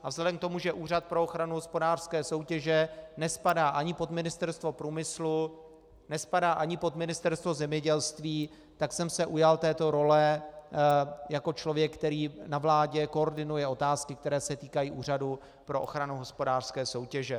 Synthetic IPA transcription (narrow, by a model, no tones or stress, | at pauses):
avzlɛdɛmk̚t̪o̞muʒɛʔuːrat̪̚pɾo̞oxɾanuɦospo̞daːr̥skɛːso̞wcɛʒɛnɛspadaːʔaɲɪpo̞d̪mɪnɪst̪ɛɾst̪vo̞pɾuːmɪslu | nɛspadaːʔaɲɪpo̞d̪mɪnɪst̪ɛɾst̪vo̞zɛmɲɛɟɛlst̪viː | t̪aksɛmsɛʔujalt̪ɛːt̪o̞ɾo̞lɛ | jako̞t͡ʃlo̞vjɛkkːt̪ɛɾiːnavlaːɟɛko̞oɾdɪnujɛo̞t̪aːskɪkt̪ɛɾɛːsɛt̪iːkajiːʔuːr̝adu | pɾo̞ʔo̰xɾanuɦo̞spo̞daːr̥skɛːso̞wcɛʒɛ